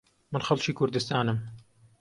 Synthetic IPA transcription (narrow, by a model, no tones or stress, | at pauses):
mənxɐlt͡ʃiːkʰʊɾd̪ɨst̪aːnɨm